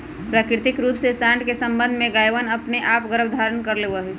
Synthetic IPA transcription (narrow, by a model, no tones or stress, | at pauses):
pɾaːkɾɪt̪ɪkɾuːpsesãːɳʈkesə̃mbə̃nd̪ʱmẽɡaːjʋənɐpneʔaːpɡəɾəbd̪ʱaːɾənkəɾleːʋəɦɛ